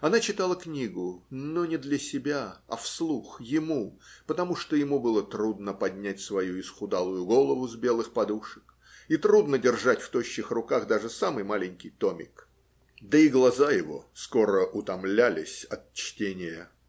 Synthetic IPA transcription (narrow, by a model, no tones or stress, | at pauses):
ɐnat͡ɕɪt̪alˠəknʲiɡʊnonʲɪd̪lʲəsʲɪbʲaɐ̰fslˠuxjɪmupət̪ɐmuʂt̪ojɪmubɨlˠət̪ɾud̪nəpɐdʲnʲætʲsvɐjuɪsxʊd̪alˠʊjʊɡo̞lˠəvʊzbʲe̞lˠɨxpɐd̪uʂə̥k | it̪ɾud̪nədʲɪrʐatʲft̪oɕːɪxrʊkaɣd̪aʐɨsamɨjmalʲɪnʲkʲɪjt̪omʲɪ̰k | d̪əɪɡlˠɐzajɪvo̞̰sko̞ɾəʔʊt̪ɐmlʲælʲɪ̰sʲɐt̪̚t͡ɕtʲenʲɪjə